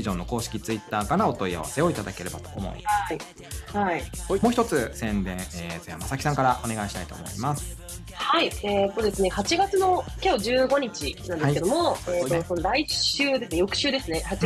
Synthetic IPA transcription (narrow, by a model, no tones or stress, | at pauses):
iʑõ̞nːo̞ko̞ːɕi̥kʲit͡sɨit̪ːaːkaɾao̞t̪o̞ija̰βa̰seo̞it̪ad̪ake̞ɾe̞bat̪o̞̥omo̰ḭi | haimoçi̥t̪o̞t͡sɨsẽ̞nd̪ẽ̞ɰ̃eːzojamasakʲi̥sãŋkaɾaʔone̞ɡaiɕi̥t̪ait̪o̞̰ːmo̞̰ḭmasɨ̥ | hhaieːt̪ːo̞d̪e̞sɨne̞hat͡ɕiɡat͡sɨno̞kʲo̞ːd͡ʑɨːɡo̞ɲ̟it͡ɕinãnd̪sked̪omo̞eːt̪osonoɾaiɕɨːd̪e̞sɨne̞jo̞kɯ̟̥ɕɨːd̪esɨne̞hat͡ɕi